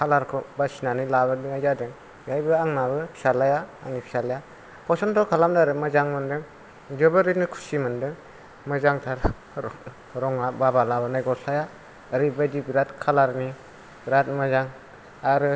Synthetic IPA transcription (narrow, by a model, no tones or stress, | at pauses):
kʰalaɾkʰɔbasinanɯjlabɯdɯŋajzadɯŋ | ɡajbɯaŋnabɯpʰi̥salajaa̰ŋnipʰi̥salaja | pʰɔsɔntʰɔkʰalamdaɾɯmɯzaŋmɯndɯŋ | d͡ʒɯbɯɾinɯkʰu̥simɯndɯ | mɯzaŋtʰaɾ | ɾɔŋababalabɯnajɡɔsajaː | ɾibajdiɡɾatkʰalaɾni | ɡɾat̚mɯzaŋ | aɾɯ